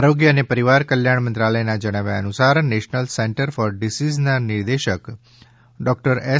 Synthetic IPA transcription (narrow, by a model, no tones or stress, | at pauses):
aːɾoːɡjənepəɾiʋaːɾkəljaːɳ̃mə̃nt̪ɾaːləjnad͡ʒəɽ̃aːʋjaənʊsaːɾneːʃnəlsɛ̃ɳʈəɾfɔːɾɖɪsiːznanɪɾd̪eːʃək | ɖɔːk̚ʈəɾɛ